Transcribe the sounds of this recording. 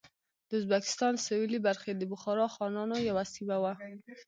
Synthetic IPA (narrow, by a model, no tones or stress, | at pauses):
d̪̥əʊzbakɪ̥st̪ɑnsawilibaɾxed̪əbʊxɑɾɑxɑnɑnojawasibawa